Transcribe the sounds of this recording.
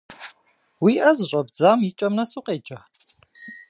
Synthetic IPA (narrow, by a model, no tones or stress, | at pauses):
wiːʔɐzɨɕʷʼɐbd͡zaːmit͡ʃʼɐmnɐsuqʼeːt͡ʃʼɐ